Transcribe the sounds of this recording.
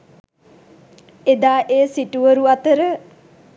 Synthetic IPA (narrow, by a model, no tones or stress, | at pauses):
ed̪aːʔeːsiʈuʋəɾuat̪əɾə